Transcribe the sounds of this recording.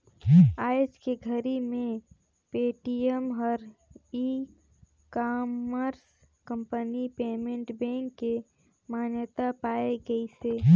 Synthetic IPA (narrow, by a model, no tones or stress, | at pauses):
aːjt͡ʃkeɡʱəɾimẽ | peːʈiəmɦɔɾi | kaməɾs | kə̃mpənipeːmẽɳʈbɛ̃ŋkːe | maːnjt̪apaːeɡəiseː